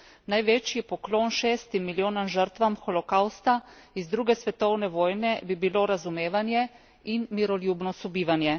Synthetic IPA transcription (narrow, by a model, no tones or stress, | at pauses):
najʋɛt͡ʃjipɔklonʃeːst̪imːiljoːnanʒəɾt̪ʋamxɔlɔkawst̪a | izd̪ɾuːɡɛsʋɛt̪ɔwnɛʋoːjnɛbibiloɾazumeːʋanjɛ | inmiɾɔljuːbnɔsubiːʋanjɛ